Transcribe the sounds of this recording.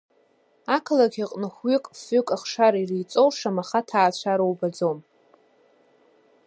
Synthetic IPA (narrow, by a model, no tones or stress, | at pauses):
akʰlaɡʲiqʼnɨχʷɥikʼfʏkʼaχʂaɾirijt͡sʼowʂamaχatʰaːt͡ɕʷʰaɾowbad͡zom